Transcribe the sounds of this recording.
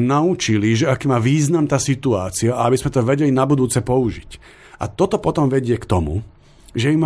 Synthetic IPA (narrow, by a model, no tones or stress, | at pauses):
naut͡ʃiliʒɛakiːmaːʋiːznamt̪aːsit̪uaːt͡siaʔaabizmɛt̪ɔʋɛɟɛlinabud̪uːt͡sɛpɔuʒic | ʔa̰t̪ɔt̪ɔpɔt̪ɔmʋɛɟɪɛkt̪ɔmṵ | ʒɛjim